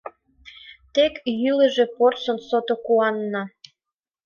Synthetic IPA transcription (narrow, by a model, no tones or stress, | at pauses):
t̪ekjylə̆ʒe̽porsə̆nsot̪okuɑnːɑ